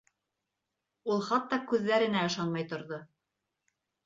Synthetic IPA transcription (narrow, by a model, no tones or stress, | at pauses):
ulˠχɑt̪ːɑkʉðːæɾɘ̆næɤ̆ʃɑnmɑjt̪ŏɾðo